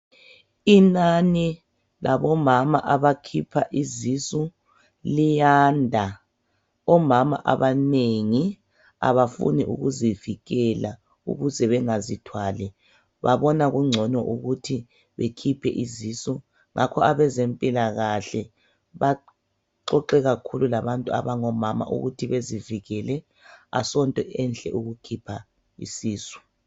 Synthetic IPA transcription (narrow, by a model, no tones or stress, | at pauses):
inani | laβɔmamaʔaβakʰipʰaʔizisu | lijaːndʱa | ɔmama̰ʔaβaneŋi | a̰βafṵniʔṵɣuziviɣɛla | ṵɣuzɛβɛŋazitʰwaːlɛ | βaβɔnaɣuŋ͡ǀʱɔnɔʔuɣutʰi | βekʰipʰɛʔiziːsɔ | ŋʔakʰɔaβɛzempʼilaɣaɬɛ | βa | ǀɔǃɛɣakʰululaβantʼua̰βaŋɔmama̰ʔṵɣutʰiβeziviɣɛlɛ | a̰sɔntʼɔʔɛnɬɛ̰ʔuɣukʰipʰa | ḭsiːsɔ̥